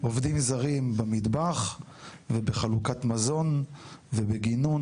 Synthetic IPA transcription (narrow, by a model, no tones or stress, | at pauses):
ʔovdimzaʁimbamidbaχ | vebeχalukatmazo̞nvebeɡinun